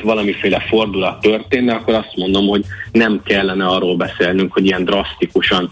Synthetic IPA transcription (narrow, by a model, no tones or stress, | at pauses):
ʋɒlɒmifeːlɛfo̞rd̪ulɒt̪ːørt̪eːnːɛɒkːo̞ɾɒst̪mo̞nd̪o̞mho̞ɟnɛmkɛlːɛnɛɒrːoːlbɛseːlnyŋkhoɟijɛnd̪rɒst̪ikuʃɒn